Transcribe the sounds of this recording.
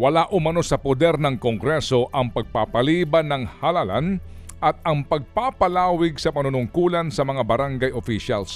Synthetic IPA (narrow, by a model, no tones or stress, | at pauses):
wɐlaʔʊmɐno̞sɐpod̪ɛɾnɐŋkoŋɡɾɛso̞ʔɐŋpɐɡ̚papɐliːbɐnɐŋhɐlala̰n | ʔɐt̪̚ɐŋpɐɡ̚papɐlaːwɪɡsɐpɐnʊnʊŋkuːlɐnsɐmɐŋabɐɾaŋɡajofiʃa̰ls